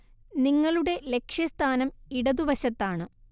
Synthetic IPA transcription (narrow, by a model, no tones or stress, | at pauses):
niŋːɐɭuɽe̞le̞kʂjɐst̪ʰaːnɐmiɽɐðuʋɐɕɐt̪ːaːɳɨ